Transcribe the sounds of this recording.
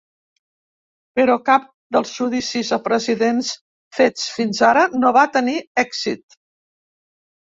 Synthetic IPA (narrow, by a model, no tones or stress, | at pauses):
pəɾɔkap̚ | d̪əlˠzʒuðisizəpɾəziðens | fet͡sfinzaɾənoβat̪əniɛkzit̪